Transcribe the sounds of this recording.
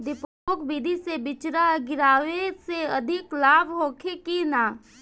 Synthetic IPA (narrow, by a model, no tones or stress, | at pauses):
d̪ɪpoːkbiːd̪ʱisebɪt͡ʃɾaɡɪɾaːʋeseɐd̪ʱɪklaːbɦoːkʰekinaː